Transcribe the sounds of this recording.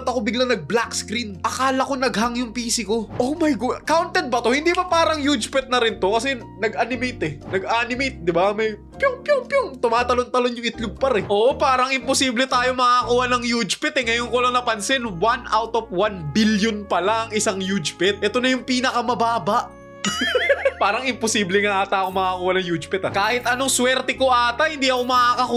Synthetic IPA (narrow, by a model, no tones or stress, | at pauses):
t̪ɐko̞bɪɡlaŋnɐɡ̚blakskɾinʔɐkaːlɐko̞nɐɡhɐŋjʊŋpiːsɪko̞ʔomɐjɡokawnt̪ɛd̪̚bɐt̪o̞hɪnd̪ibɐpaːɾɐŋjud͡ʒpɛt̪̚nɐɾɪnt̪o̞kɐsɛ | nɐɡʔanɪmejt̪ɛnɐɡaːnɪmejt̪̚d̪ɪbamɐj | pjoŋpjoŋpjoŋt̪ʊmaːt̪ɐlo̞nt̪ɐlonjʊŋɪt̪lʊb̚pɐɾɛʔoːʔopaːɾɐŋɪmposiːblɛt̪aːjo̞mɐɐkuːhɐnɐŋjud͡ʒpɛt̪ɛŋɐjoŋkolɐŋnɐpɐnsɪnwanʔawt̪of̚wanbiljonpɐlaʔɐŋɪsaŋjud͡ʒpɪt̪̚ʔɛt̪onɐjʊŋpiːnɐkɐmɐbaːbɐʔ | paːɾɐŋɪmposiːblɛŋaʔaːt̪ɐʔkoŋmɐkakuːhɐnɐŋjud͡ʒpɛt̪ɐkaːhɪt̪ʔɐno̞ŋswɛɾt̪ɛkoʔaːt̪ɐhɪnd̪iːʔɐko̞mɐʔakɐkuː